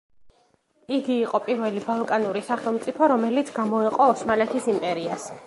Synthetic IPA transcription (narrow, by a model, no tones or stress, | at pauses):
iɡiːqʼɔpʼiɾvɛlibalˠkʼanuɾisaχɛlˠmt̪sʼipʰɔɾɔmɛlit̪sʰɡamɔɛqʼɔːsmalɛt̪ʰisimpʼɛɾias